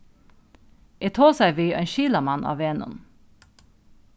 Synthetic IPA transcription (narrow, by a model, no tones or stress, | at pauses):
ʔeːt̪ʰoːsæɪʋiːʔœnʃiːləmɑnʔɑ̰ːʋeːnʊ̰n